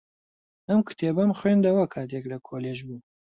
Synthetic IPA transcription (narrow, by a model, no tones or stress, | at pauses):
ɐmkʰɨ̥t̪ʰeːbɐmxwend̪ɐwɐkʰaːt̪ʰeklɐkʰoːleʒbuː